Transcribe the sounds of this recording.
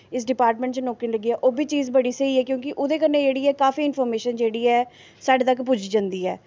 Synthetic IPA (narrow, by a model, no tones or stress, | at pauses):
ɪs̬ɖɪpaːɾʈmɛ̃ɳʈt͡ʃnɔːkinləɡiːɛːʔoːbiːt͡ʃiːzbəɽiːsəiːɛːkjõːkɪʔʊd̪eːkəɾned͡ʒeːɽiːɛːkaːfiːɪnpʰɔːɾmeːʃənd͡ʒeːɽiːɛː | saːɖeːt̪əkpʊd͡ʒd͡ʒãnd̪iːɛː